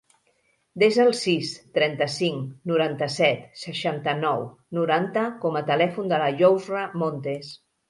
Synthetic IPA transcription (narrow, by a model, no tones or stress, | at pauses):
d̪ezəlˠsist̪ɾɛnt̪əsiŋnuɾant̪əsɛt̪səʃant̪ənɔw | nuɾant̪əkɔmət̪əlɛfund̪ələʒowzrəmont̪es